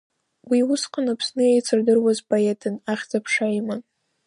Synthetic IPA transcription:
wiwʊsqʰʼanapʰsnɨjejt͡sʰɨrdɨrwazpʰoetʰɨnaχʲd͡zapʰʂajman

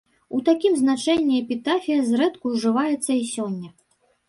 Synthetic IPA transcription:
ut̪akʲimznat͡ʂɛnʲːiɛpʲit̪afʲijɐzɾɛt̪kuʐɨvajɛt̪sːɐisʲɔnʲːɐ

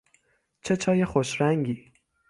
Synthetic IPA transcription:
t͡ʃʰet͡ʃʰɒːjexoʃɾæŋɟiː

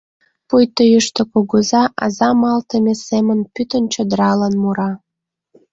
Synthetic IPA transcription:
pujt̪əjəʃt̪okoɣozɑʔɑ̰zɑmɑlt̪əmʲesemənpyt̪ənt͡ɕod̪əɾɑlənmuɾɑ

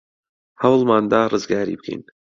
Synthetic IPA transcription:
hɐwlmaːnd̪aːrʔɨzɡaːɾḭːbɨkʰḭjn

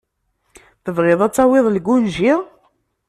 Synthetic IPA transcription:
θəvʁɪðˤɑt͡sːɑwɪðˤlɡunʒiʁ

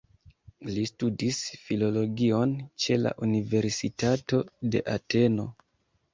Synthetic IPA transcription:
listudisfilo̞lo̞ɡio̞nt͡ʃe̞la̰ʔunive̞ɾsitato̞de̞̰ʔate̞no̞

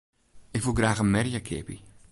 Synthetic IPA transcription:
ɪkʋulˠɡraːxənmɛrjakʰɪ̰pi

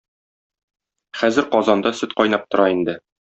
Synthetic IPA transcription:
χæzɘɾqɒzɑnd̪ɑsɵt̪qɒjnɑp̚t̪ŏɾɑind̪ɘ

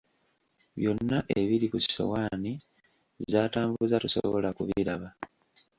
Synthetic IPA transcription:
βjo̞nːaʔeβilikuso̰waːni | zaːtaːmbuzatuso̞̰βo̞lakuβiiɾaβa

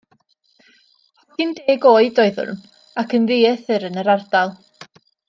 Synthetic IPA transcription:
ɔɡ̥ɪndeːɡoːɨdɔɨðʊ̰rm | akʰənðiːɛθɨɾənəɾard̥alˠ

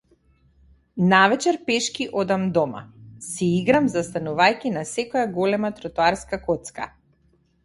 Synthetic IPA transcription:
navɛt͡ʃɛɾpɛʃkʲiʔɔd̪amd̪ɔma̰siiɡɾamzast̪anuvajkʲinasɛkɔjaɡɔlɛmat̪ɾɔt̪uaɾskakɔt̪ska

